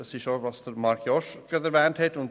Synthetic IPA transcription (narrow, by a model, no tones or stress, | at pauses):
d̥ɑsɪʃovɑsd̥əɾmɑɾkʰjɔʃɡ̥ɑdəɾvɛːnthɛtʊnd